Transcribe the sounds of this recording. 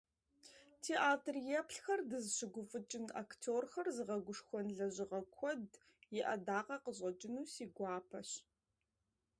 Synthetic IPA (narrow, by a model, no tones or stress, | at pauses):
tʰeːʔaːtʰrjɛpɬxɐrdɨzɕɪɡʷʊfʼɨt͡ʃʼɪna̰ktʰoːrxɐrzɨʁɐɡʷʊʂxʷɔnɮɐʑɪʁɐkʷʰɔd | jɪʔɐ̰daːqɐqəʑʼɐt͡ʃʼɪnuːsiːɡʷɑːpʰɐɕ